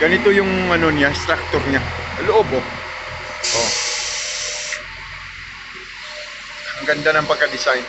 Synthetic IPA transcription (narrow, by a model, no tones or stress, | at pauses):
ɡ̥ɐnɪt̪o̞jʊŋɐno̞nɪjaɪst̪ɾak̚t̪oɾɲaloʔobo | ʔo | ɐŋɡɐnd̪anɐŋpɐɡ̚kːɐd̪ɪsajn